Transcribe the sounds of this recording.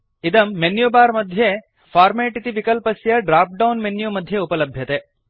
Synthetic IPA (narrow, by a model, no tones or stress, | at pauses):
id̪ɐmːenjubaːɾmɐd̪ʱje | faːɾmeːʈit̪iʋikɐlpɐsjɐɖɾaːp̚ɖɐwnmenjumɐd̪ʱjeupɐlɐbʱjɐt̪e